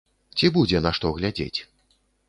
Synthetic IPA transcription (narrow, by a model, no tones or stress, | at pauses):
t͡sʲibud͡zʲɛnaʂt̪ɔɣlʲad͡zʲḛt͡sʲ